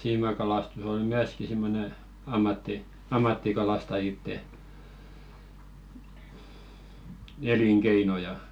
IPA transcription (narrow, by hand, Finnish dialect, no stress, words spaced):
siːmɑkɑlɑstus ol myæski simːone ɑmːɑtːi ɑmːɑtːikɑlɑstɑjitːe eliŋkeino jɑ